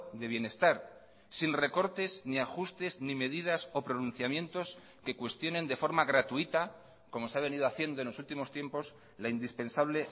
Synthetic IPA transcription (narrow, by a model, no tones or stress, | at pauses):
d̪e̞β̞je̞ne̞st̪aɾ | sinre̞ko̞ɾt̪e̞zniaxust̪e̞znime̞ðið̞aso̞pɾo̞nũn̟θjamje̞nt̪o̞s | ke̞kwe̞st̪jo̞nẽ̞nd̪e̞fo̞ɾmaɣɾat̪uit̪a | ko̞mo̞seaβe̞niðoaθje̞nd̪oenlo̞sult̪imo̞st̪je̞mpo̞s | laind̪ispe̞nsaβle̞